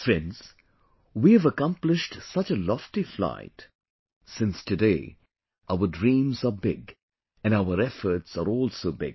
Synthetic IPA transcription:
fɹɛ̃nz̥ | wiɨvəkʌ̃mplɪʃtsʌt͡ʃəlɔftifla̰ɪt | sɪ̃nstɨdeɪ | ʔaʊədɹĩːmzəbɪɡ | ɨ̃naʊəɾɛfə˞tsəɾɔlˠsoʊbɪ̰ɡ

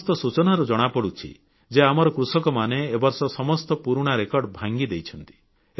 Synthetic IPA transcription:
st̪ɔsut͡ʃɔnaɾud͡ʒɔɽ̃apɔɽut͡ʃʰḭ | d͡ʒeamɔɾɔkɾusɔkɔmaneːbɔɾsɔsɔmɔst̪ɔpuɾuɽ̃aɾekɔɾɖbʱaŋɡid̪ejt͡ʃʰɔnt̪i̥

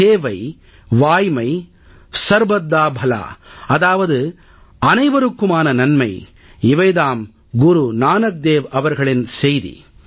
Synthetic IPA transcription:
eːʋɐɪ | ʋaːjmɐɪ | sɐɾbɐd̪ːaːbʱɐla̰ːɐðaːʋɐðɯ | ɐnɐɪʋɐɾɯkːɯmaːnɐnɐnmɐɪ | ɪʋɐjðaːm | ɡʊɾunaːnɐk̚d̪eːʋɐʋɐɾɣɐɭɪnsɛjðḭ

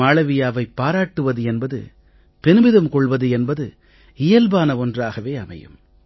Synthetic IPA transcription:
aːɭɐʋɪjaːʋɐɪpːaːɾaːʈːɯʋɐðɯɛnbɐðɯ̰ | pɛnɯbɪðɐmkɔɭʋɐðɯɛnbɐðɯ | ɪjɐlbaːnɐɔndraːɣɐʋeːɐmɐ̰jɯ̰m

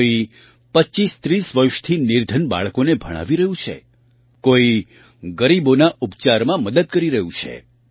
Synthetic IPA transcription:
i | pəːt͡ʃist̪ɾisʋəɾʃt̪ʰinɪɾd̪ʱənba̰ɭkonebʱəɽ̃a̰ʋiɾəɦũt͡ʃʰḛ | koi | ɡəɾibonaupt͡ʃaɾmãməd̪əd̪̚kəɾiɾəɦũt͡ʃʰḛ

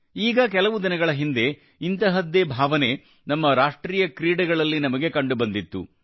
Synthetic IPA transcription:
iːɡɐk̬ɛlɐʋud̪inɐɡɐɭɐɦind̪e̞ | int̪ɐɦɐd̪ːeːbʱaːʋɐne̞ | nɐmːɐɾaːʂʈɾiːjɐkɾiːɽɐɡɐɭɐlːinɐmɐɡe̞kɐɳɖubɐnd̪it̪ːṵ

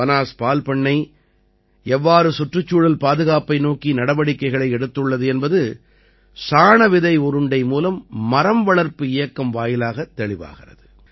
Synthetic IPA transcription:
ɐnaːspaːlpɐɳːɐɪ | ɛʋːaːɾɯsʊʈrɯt͡ʃːuːɽɐlpaːðɯɣaːpɐɪnoːkinɐɽɐbɐɽɪkːɐɪɣɐɭɐɪɛɽɯt̪ːɯɭːɐðɯɛnbɐðɯ | saːɳɐʋɪðɐɪʊɾɯɳɖɐɪmuːlɐmːɐɾɐmʋɐɭɐɾpɯɪjɐkːɐmʋaːjɪlaːɣɐt̪ːɛɭɪʋa̰ːɣɪrɐ̰ðɯ

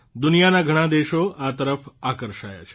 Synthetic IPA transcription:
d̪ʊnijanaɡʱəɽ̃ãd̪eʃoʔat̪əɾəfakəɾʃaja̰t͡ʃʰe̥

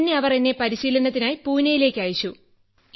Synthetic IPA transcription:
nːe̞ɐʋɐre̞nːe̞pɐɾiɕiːlɐnːɐt̪ːinaːjipuːnːɐjile̞ːkʲːaːjit͡ɕːu

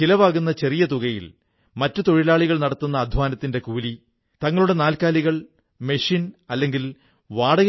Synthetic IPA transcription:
ilɐʋaːɣunːɐt͡ɕe̞rijɐt̪̬uɣɐjḭl | mɐtːut̪o̞ɻilaːɭiɣɐɭnɐɽɐt̪ːunːɐːd̪ʱʋaːnɐt̪ːinde̞kuːli | t̪ɐŋːɐɭuɽe̞naːlkaːliɣɐɭ | me̞ʂinɐlːe̞ŋɡil | ʋaːɽɐɣ

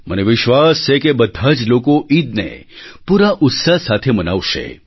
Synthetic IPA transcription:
məneʋɪʃʋast͡ʃʰekebəd̪ʱːad͡ʒlokoʔid̪̚nḛpuɾaʔʊt̪sasat̪ʰeməna̰ʋʃḛ

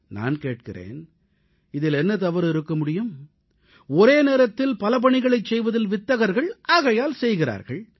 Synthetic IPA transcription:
na̰ːnkeːʈ̚kɪrḛːn | ɪðɪlɛnːɐt̪ɐʋɐɾɪɾɯkːɐmʊɽɪjɯm | ɔɾeːneːɾɐt̪ːɪlpɐlɐp̬ɐɳɪɣɐɭɐɪt͡ʃːsɛjʋɐðɐlʋɪt̪ːɐɣɐɾɣɐɭʔaːɣɐjaːlsɛjɣɪra̰ːɾɣɐɭ

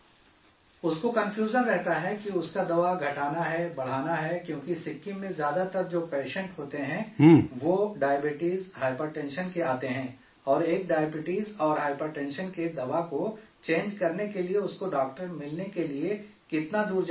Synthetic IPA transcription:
ʊskokɐ̃mfjuːzəɾːɛɦt̪aɦɛkiʊskad̪ɐʋaɡʱɐʈaːnaɦɛbɐɽ̤aːnaɦɛkjõːkisɪkːimẽzjaːd̪at̪ɐɾd͡ʒoːpeːʃɛ̃ɳʈɦoːt̪eɦɛ̃ʋoɖaːjəbɪʈiːzɦaːɪpəɾʈɛ̃nʃənkeaːt̪eɦɛ̃ː | ɔːɾeːk̚ɖaːjəbɪʈiːzɔːɾɦaːɪpəɾʈɛ̃ːnʃənked̪ɐʋakot͡ʃẽːnd͡ʒkɐɾnekelieʊskoɖɔːk̚ʈəɾmɪlnekeliekɪt̪nad̪uːɾd͡ʒ

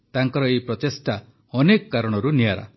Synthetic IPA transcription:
t̪aŋkɔɾɔejpɾɔt̪esʈa | ɔnekɔkaɾɔɽ̃ɔɾunijaɾa̰

